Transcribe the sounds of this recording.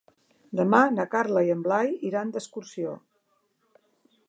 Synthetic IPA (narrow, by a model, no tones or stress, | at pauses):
d̪əmanəkaɾləjəmblajiɾand̪əskuɾsio̰